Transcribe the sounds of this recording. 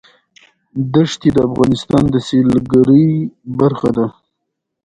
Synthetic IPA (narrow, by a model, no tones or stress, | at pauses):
d̪əʂt̪ed̪əafɣɑnɪst̪ɑnd̪əselɡaɾəjbaɾxad̪a